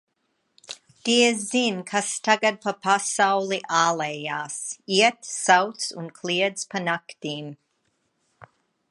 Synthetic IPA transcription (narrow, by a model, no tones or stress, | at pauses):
t̪iəzinkʰastʰaɡad̚pʰɐpʰasawlˠiʔaːlejaːsiət̪sawt̪sunkʰliəd̪z̥pʰanaktiːm